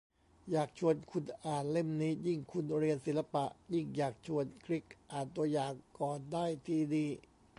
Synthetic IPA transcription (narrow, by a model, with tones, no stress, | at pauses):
jaː˨˩k̚t͡ɕʰu˧ənkʰu˧nʔaː˨˩nle˥˩mniː˦˥ji˥˩ŋkʰu˧nɾi˧ənsi˨˩˦nla˧pa˨˩ʔji˥˩ŋjaː˨˩k̚t͡ɕʰu˧ənkʰɾi˦˥k̚ʔaː˨˩nt̪u˧ɐəjaː˨˩ŋkɔː˨˩ndaː˥˩jt̪ʰiː˧˩diː˧